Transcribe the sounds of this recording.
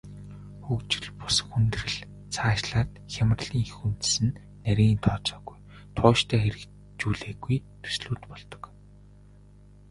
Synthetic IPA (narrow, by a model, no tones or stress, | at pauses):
xɵkt͡ɕɪ̆ɮpʊ̥s̆xunt̪̆rɘ̆ɮ | t͡sʰaːʃɮaːt̪xʲamə̆rɮiːŋxun̥t̪sɘ̆nː | æɾʲiːnt̪ʰɔːt͡ɕɔːɣuj | t̪ʰʊːʃt̪ʰæːxeɾɘ̆k | t͡ɕuːɮeːɣujt̪ʰu̥sɮuːt̪pɔɮt̪ɞ̥̆k